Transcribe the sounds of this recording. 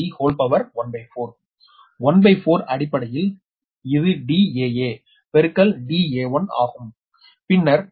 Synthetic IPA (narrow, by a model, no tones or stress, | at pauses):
ihoːlpɐʋɐɾʋɐnbɐɪfoːɾ | ʋɐnbɐɪfoːɾɐɽɪpːɐɽɐjɪl | ɪðɯɖiːeːeː | pɛɾɯkːɐlɖiːeːʋɐna̰ːɣɯm | pɪɳːɐɾ